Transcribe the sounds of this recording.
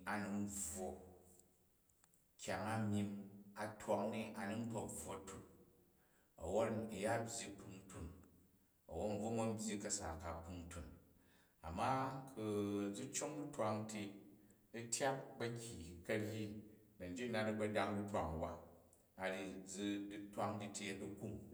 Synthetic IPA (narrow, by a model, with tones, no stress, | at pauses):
a˨nu˧n̩˦b͡vwo˨ | kʲa˨ŋa˦mʲi˧na˨tʰwa˧ŋni˦a˨nu˦n̩˦bo˨kb͡vo˨tu˨k | o̰˨wo˦ti˨ja˦bʲji˦pu˧n˦tu˨n | ɐ̰˨wo˦n̩˨vo˦ŋo˦m̩˦bʲji˦kɐ˨sa̰˨ka˨pu˧n˦tu˨n | a̰˨mːa˦kʰu˨d͡zu˦t͡ʃo˦ŋdu˦twa˧ŋtʰi˧ | ɐ˦tʰʲja˦p̚bɐ˦˧kʲi˨kɐ˧ɾji˦nɐ˨n̩˨d͡ʒi˦na˦˧di˦ɡ͡bɐ˦da˧ŋdu˦tʷa˨ŋ˨wa˦ | a˨ɾi˧d͡zi˧di˦twa˦ŋdi˧tʰi˦ɐ˨du˦ku˦ŋ